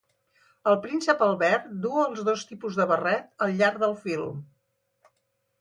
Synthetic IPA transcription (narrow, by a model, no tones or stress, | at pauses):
əlˠpɾinsəpəlˠβɛɾd̪uəlˠzðost̪ipuzðəβərɛt̪̚əlˠʎaɾðəlˠfilˠ